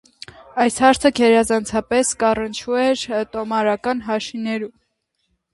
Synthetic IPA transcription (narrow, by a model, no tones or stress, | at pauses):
ɑjshɑɾt͡sʰəkʰɛɾɑzɑnt͡sʰɑpɛskɑrənt͡ʃʰuɛɾt̪ɔmɑɾɑkɑnɦɑʃinɛɾum